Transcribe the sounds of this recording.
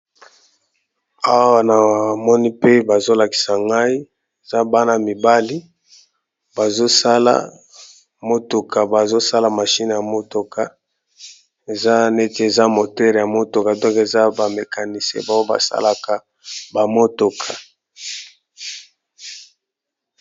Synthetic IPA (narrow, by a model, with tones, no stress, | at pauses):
a˦wwa˨na˨wa˨mɔ˦ni˦pe˦ba˨zo˦la˨ki̥˨sa˨ŋɡa˦i˦ | e˨za˦ba˦na˨mi˨ba˦li˦ | ba˨zo˦sa˦la̰˦ | mo˦to˨ka˨ba˨zo˦sa˦la˨ma˨ʃi˦n˨ja˨mo˦to˨ka˨ | e˨za˦ne˦ti˦e˨za˦mo˨tɛ˦ʁja˨mo˦to˨ka˨dɔ˦ke˨za˦ba˨me˨ka˨ni˨sḛ˦ba˦˨wo˦ba̰˨sa̰˦la˨ka˨ | ba˨mo˦to˨kʰa˨